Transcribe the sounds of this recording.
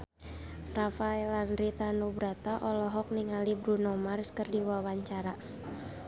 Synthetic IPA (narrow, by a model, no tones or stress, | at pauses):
rafaɛlanɾit̪anubɾat̪aʔɔlɔɦɔk̚niŋalibɾunɔmarskərdiwawaɲt͡ʃaɾa